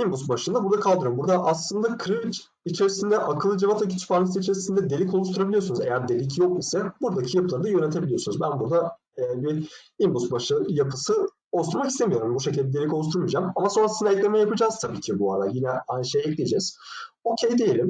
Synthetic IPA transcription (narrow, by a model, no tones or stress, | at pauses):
imbust̪̚baʃɯnd̪abuɾd̪akʰalˠd̪ɯɾumbuɾd̪aʔaslˠɯnd̪akʰɾivit͡ʃ | it͡ʃʰe̞ɾisind̪ɛʔakʰɯlˠɯd͡ʒavat̪ac̬ʰit͡ʃʰpʰaɾnis̬it͡ʃʰe̞ɾisind̪ɛd̪elʲikʰo̞lˠuʃt̪ʰuɾabilʲiosunuze̞jæɾd̪e̞lʲicʰjo̞k̚isɛbuɾd̪acʰijapʰɯlˠaɾɯd̪ajø̞net̪ʰebilʲijo̞sunuzbænbuɾd̪a | biimbust̪̚baʃɯjapʰɯsɯ | olˠsuɾmakist̪e̞mijo̞ɾumbuʃecilʲd̪ʲɛd̪elʲikouʃt̪ʰuɾmɯd͡ʒamamaso̞nɾasɯnd̪aɛclʲe̞mɛjapɯd͡ʒaːz̥t̪ʰabiːcʰibuaɾajinɛanʃejɛclʲijd͡ʒɛz̥ | o̞cʰejd̪ejelʲim